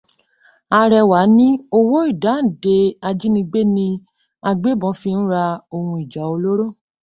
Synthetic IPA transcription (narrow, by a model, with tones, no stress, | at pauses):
a˧ɾɛ˧wa˨˦nĩ˦o˧wo˦i˦˨da˨˦n̩˨de˧a˧d͡ʒi˦nĩ˧ɡ͡be˦nĩ˧ | a˧ɡ͡be˦bɔ̃˨˧˦fi˧ñ̩˦ɾa˧o˧hũ˧i˨d͡ʒa˨˦o˧lo˦ɾo˦˨